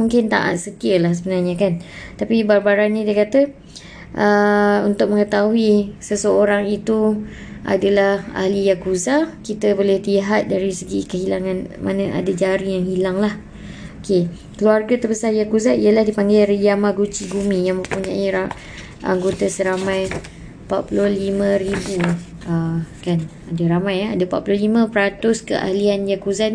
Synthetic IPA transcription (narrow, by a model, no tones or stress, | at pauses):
muŋkɪnt̪a̰ʔa̰t̪̚sət̪iəlahs̬əbənarɲakant̪apibarbaɾanɲidiəkat̪ə | ʔəunt̪ʊk̚məŋət̪aɦuisəsəoɾaŋit̪u | ʔa̰dalaha̰hlijakuzakit̪əbolɛht̪iɦat̪̚daɾisəɡikəɦilaŋanmʔa̰nə̃ʔa̰dad͡ʒaɾijaŋhilaŋlah | oke | kəluarɡat̪ərbəsarjakuzaiəlahdipaŋɡajɾəjamaɡut͡ʃiɡumĩjaŋmə̃puɲaʔiɾa | ʔa̰ŋɡot̪asəɾamãj | pat̪̚pulohlimə̃ɾibu | əkan | adaɾamajaadapa̰t̪ʔ̚pulohlimə̃pəɾat̪ʊskə̰ʔa̰hlianjakuzan